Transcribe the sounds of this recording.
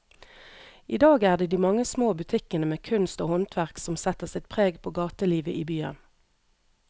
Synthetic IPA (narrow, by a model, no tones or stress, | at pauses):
ʔiːd̪ɑːɡæːʁd̪eːd̪iːmɑŋəsmoːbʉt̪ʰɪkənəmeːkʰʉnst̪oːhɔnt̪ʰʋæʁksɔmsɛt̪əʁsɪt̪̚pʰʁeːɡpʰoːɡɑːt̪əliːʋəʔiːbyːə̰n